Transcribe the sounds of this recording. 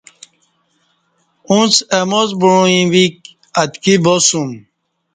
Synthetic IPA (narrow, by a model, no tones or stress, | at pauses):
ũnt͡semozbuɻõĩwik̚ | at̪kibosum